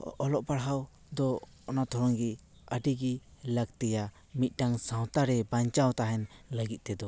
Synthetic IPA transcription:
ɔlɔʔ̚paɽɦaw | d̪ɔː | nat̪ʰɔɾɔŋɡi | əɖiɡiləɡt̪ɛja | mit̪̚ˀʈaŋsãw̃t̪aɾɛbaɲt͡ʃawt̪aɦɛnləɡit̪̚t̪ɛd̪ɔ

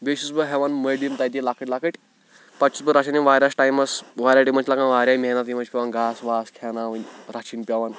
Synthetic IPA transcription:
beɕusbəɦɛʋanməɖint̪ajd̪ilakʰəʈlakəʈ | pat͡ʃu̥sbəɾaɕʰiniʋaɾasʈajmasʋaɾaɖimənt͡ʃlakanʋaɾʲamɛnat̪imənt͡ɕpʲɛʋanɡasʋaːskʰɛnaʋənʲɾat͡ʃʰiːnpʲaʋan

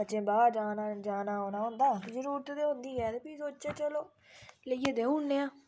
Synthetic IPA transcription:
ətːt͡ʃẽːbaːaːd͡ʒaːnad͡ʒaːnaːɦoːnaːɦʊ̃nd̪aːkzəɾuːɾt̪d̪eɦʊ̃nd̪iːɛːt̪epiːsoːt͡ʃeːt͡ʃəloː | ləieːd̪eːũːɳːeːãː

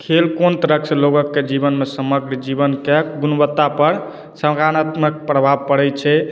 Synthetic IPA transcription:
kʰelkont̪əɾəksloɡəkːed͡ʒibənmesəməɡɾd͡ʒibənkeɡunbət̪ːapəɾ | səmɡanat̪mək̚pɾəbʱab̚pəɽɛt͡ʃʰɛ

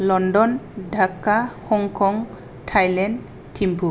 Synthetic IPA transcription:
lɔndɔndʱakːahɔŋkʰɔŋ | tʰajlɛnd | tʰimpʰu

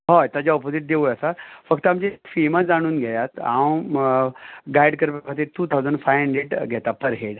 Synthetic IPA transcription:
ɦot̪jad͡ʑaɔpod͡ziʈ̚d̪eʋuəsafəkt̪əamd͡ʑefimad͡zaɽ̃uːnɡʱɛjat̪a̰w | ɡajɽkəɾpəkʰat̪iːɾʈuːt̪ʰawd͡zəɳɖfajəɳɖeʈɡʱɛt̪apəɾɦeɽ

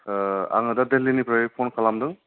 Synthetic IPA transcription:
a̰ŋɯdad̪ellinipʰɾajpʰonkʰalamdɯŋ

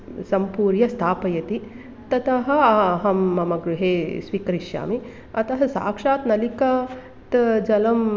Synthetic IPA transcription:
sɐmpuːɾjɐst̪ʰaːpɐjɐt̪i | t̪ɐt̪ɐɦɐ̆ɐɦɐmːɐmɐɡɾuɦeːsʋiːkɐɾiʃja̰ːmi | ɐt̪ɐɦɐsa̰ːkʂaːt̪nɐlikɐ | t̪d͡ʒɐlɐm

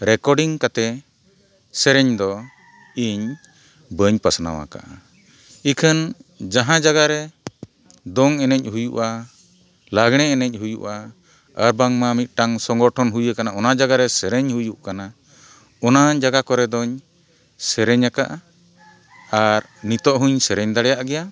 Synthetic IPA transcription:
ɾɛkɔɖiŋkat̪ɛ | sɛɾɛɲd̪ɔ | iɲ | bəɲpasna̰wa̰ka̰ʔa̰ | ikʰənd͡ʒaɦãd͡ʒaɡaɾɛ | d̪ɔŋɛnɛc̚ˀhujuʔa | laɡɽ̃ɛɛnɛc̚ˀhujṵʔa | əɾbaŋmamit̪̚ˀʈaŋsɔŋɡɔʈʰɔnɦujəkanaɔnad͡ʒaɡaɾɛsɛɾɛɲhujuʔkana | ɔnaɲd͡ʒaɡakɔɾɛd̪ɔɲ | sɛɾɛɲakaʔa | aɾ | nit̪ɔʔɦuɲsɛɾɛɲd̪aɽɛjaʔɡɛja

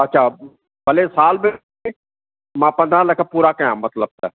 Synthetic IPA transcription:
ɐtːʃʰaː | bəlesaːlbe | mãːpə̃nd̪ɾãləkʰəpuːɾakəãːmət̪ləb̚t̪ɛ̰

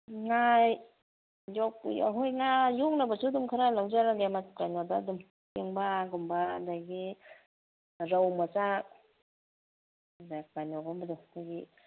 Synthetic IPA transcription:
ŋaj | jɔkja̰ɦojŋajuŋnabasudumkʰaɾalawd͡ʒaɾaɡematkajnɔdadum | keŋbaɡumbadaɡi | ɾawmat͡ʃak | dakanɔɡɔmbadɔdaɡi

